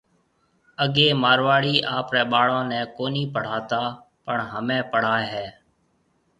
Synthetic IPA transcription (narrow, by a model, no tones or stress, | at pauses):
əɠeːmaːɾʋaːɽiːʔaːpɾɛːɓaːɽãːnɛ̃ːkoːniːpəɽ̤aːt̪aː | pəɳɦəmẽːpəɽ̤aːɦɛː